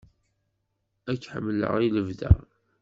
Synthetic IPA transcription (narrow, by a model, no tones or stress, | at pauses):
ækːħə̰mːlə̰ʁiləvðæ̰ʁ